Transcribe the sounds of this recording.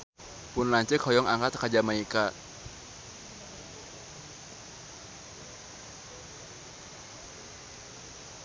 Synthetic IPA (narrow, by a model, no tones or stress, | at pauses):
punlaɲt͡ʃɛkʰɔjɔŋaŋkat̪kad͡ʒamaika